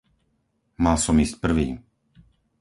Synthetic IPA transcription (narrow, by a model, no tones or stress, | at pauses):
malsɔmiːsc̚pr̩ʋḭː